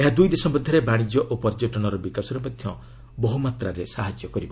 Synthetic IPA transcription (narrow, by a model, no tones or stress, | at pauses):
eɦad̪ujd̪esɔbɔd̪ʱːɔɾebaɽ̃id͡ʒjɔʔopɔɾd͡ʒɔʈɔɽ̃ɔɾɔbikasɔɾɔmɔd̪ʱjɔ | bɔɦumat̪ɾaɾesaɦad͡ʒjɔkɔɾibɔ